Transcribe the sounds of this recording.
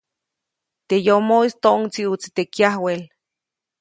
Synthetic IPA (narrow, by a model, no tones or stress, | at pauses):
t̪ejomoist̪oʔoŋt͡siut͡si̥t̪ekjahwel